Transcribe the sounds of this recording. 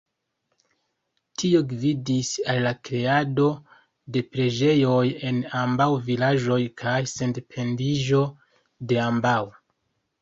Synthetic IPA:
tʰio̞ɡvidisalːakɾe̞ado̞ | de̞pɾe̞d͡ʒe̞jo̞je̞nambawvilaʒo̞jkʰajse̞ndepʰe̞ndiʒo̞ | de̞ambaw

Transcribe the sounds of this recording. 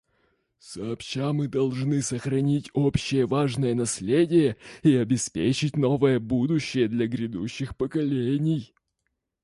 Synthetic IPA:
səɐpɕamɨd̪ɐlˠʐnɨsəxɾɐnʲitʲo̞pɕːɪjəvaʐnəjənɐsʲlʲedʲɪjəiɐbʲɪspʲḛt͡ɕɪt̚ʲno̞vəjəbud̪ʊɕːɪjəd̪lʲɐɡɾʲɪd̪uɕːɪxpəkɐlʲenʲɪj

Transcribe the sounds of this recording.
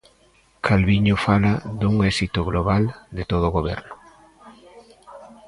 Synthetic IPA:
kʰalβiɲʊfalaðuŋɛsit̪ʊɣloβald̪ɪt̪oð̞oɣoβ̞ɛ̰ɾnʊ

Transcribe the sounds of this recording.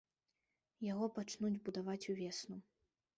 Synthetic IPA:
jaɣɔpat͡ʂnud͡zʲbud̪avat͡sʲuvʲɛsnu

